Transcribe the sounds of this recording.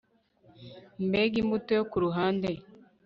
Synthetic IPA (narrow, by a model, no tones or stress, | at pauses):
mbeɡimbutojokuɾuɦaːnde